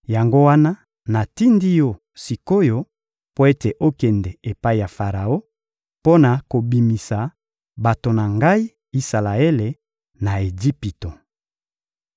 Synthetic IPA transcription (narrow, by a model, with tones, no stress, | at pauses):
ja˨ŋɡo˦wa˦na˦ | na˨ti˦ndi˦jo˦ | si˨ko˦jo˦ | po˦e˦te˨ʔo˦kɛ˨ndɛ˨e˨pa˦i˨ja˨fa˨ʁa˨o˦ | po˦na˨ko˨bi˨mi˨sa˨ | ba˨to˨na˨ŋɡa˦i˦ | i˦sa˨la˨e˦le˨ | na˨e˨d͡ʒi˦pi˨to˨